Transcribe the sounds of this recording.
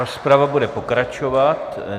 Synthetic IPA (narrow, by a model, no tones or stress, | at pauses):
ospɾavabudɛpo̞kɾat͡ʃovat̪